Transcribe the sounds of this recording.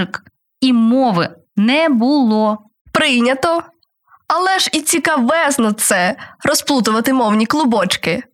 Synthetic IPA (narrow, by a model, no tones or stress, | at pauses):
ɪk | imɔʋɪ̰ | nɛbʊlˠɔ | pɾɪjnʲɐt̪ɔ | ɐlˠɛʒit͡sʲikɐʋɛznɔt̪sɛɾɔsplˠut̪ʊʋɐt̪ɪmɔwnʲiklˠʊbɔt͡ʃkɪ